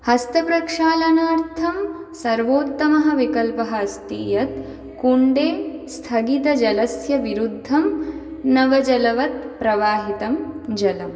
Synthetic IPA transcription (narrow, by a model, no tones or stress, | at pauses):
hɐst̪ʰɐpɾɐkʂaːlɐnaːɾt̪ʰɐmsɐɾʋoːt̪ːɐmɐɦɐ̆ʋikɐlpɐɦɐɐst̪iːjɐt̪ | kuɳɖeːst̪ʰɐɡit̪ɐd͡ʒɐlɐsjɐʋiɾud̪ʱːɐmnɐʋɐd͡ʒɐlɐʋɐt̪̚pɾɐʋaːɦit̪ɐmd͡ʒɐlɐm